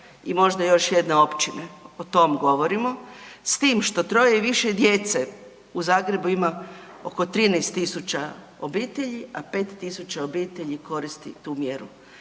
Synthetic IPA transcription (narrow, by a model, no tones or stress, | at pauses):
imo̞ʒd̪ajo̞ʃjed̪neo̞pt͡ɕineot̪o̞mɡo̞ʋo̞ɾimo̞st̪iːmʃt̪o̞t̪ɾo̞jeiʋiʃed̪jet̪se | uzaːɡɾe̞buima | o̞ko̞t̪ɾiːnest̪ːisut͡ɕa | obiːt̪e̞ʎiapeːt̪ːisut͡ɕaobiːt̪eʎiko̞ɾist̪ḭt̪uːmjeɾṵ